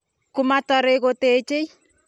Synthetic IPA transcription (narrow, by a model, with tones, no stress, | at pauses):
ku˨ma˦tɔ˨ɾeko˦tet͡ʃe˦j